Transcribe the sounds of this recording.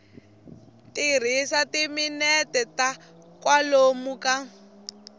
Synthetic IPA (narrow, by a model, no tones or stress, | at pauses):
tir̤isatiminɛtɛta | kwalomuka